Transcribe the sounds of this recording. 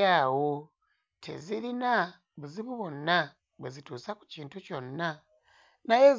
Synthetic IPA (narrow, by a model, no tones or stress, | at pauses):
awo | tʰḛziɾina | βuziβuβona | βezituːsaku̥ciːntuconːa | najez